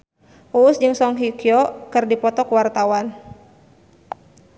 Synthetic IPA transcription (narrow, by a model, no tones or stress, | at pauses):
ʔuːsd͡ʒɨŋsɔŋɦikiɔkɨrdipɔt̪ɔkuwart̪awan